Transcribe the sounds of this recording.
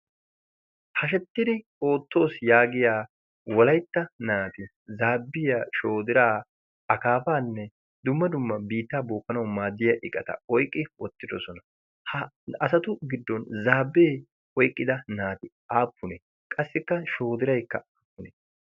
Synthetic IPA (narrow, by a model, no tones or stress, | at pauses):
hɐʃ̬ɛt̪ːɪd̪ɪ | o̞ːt̪ːo̞ːsjaːɡɪjaː | wɔlɐjt̪ːɐnaːt̪ɪ | zaːbːɪjaʃo̞ːd̪ɪɾaː | ɐkaːfaːnːɛ | d̪ʊmːɐd̪ʊmːɐbiːt̪ːaːboːkːɐnɐwmaːd̪ːɪjɐʔɪkʼːɐt̪ɐ̰ɔjkʼːɪwɔt̪ːɪd̪ɔsɔnɐ | hɐ | ɐsɐt̪ʊɡɪd̪ːɔnzaːbːeː | ɔjkʼːɪd̪ɐnaːt̪ɪ | aːpːʊne | kʼɐsːɪkːɐʃo̞ːd̪ɪɾɐjkːɐ̰ɐpːʊneː